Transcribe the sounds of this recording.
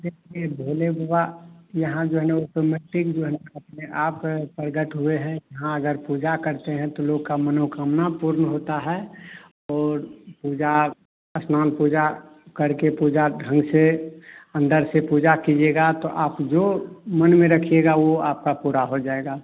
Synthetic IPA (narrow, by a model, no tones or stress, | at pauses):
d̪ekʰiebʱoːlebʱoajəɦãd͡ʒoːɦneɔːʈomɛːʈɪkd͡ʒoːɦɛnəpneʔaːppəɾɡəʈɦueɦɛ̃jɐɦãəɡəɾpuːd͡ʒakəɾt̪eɦɛ̃t̪oloːɡ̚kamənokamnapuɾnɦot̪aɦɛ | ɔːɾpuːd͡ʒa | əsmaːnpud͡ʒakəɾkepuːd͡ʒaɖʱɾə̃ŋɡse | ə̃nd̪əɾsepuːd͡ʒakid͡ʒeɡat̪oʔaːpd͡ʒomənmẽɾəkʰieɡaʋoaːp̚kapuɾaɦod͡ʒaːeɡaː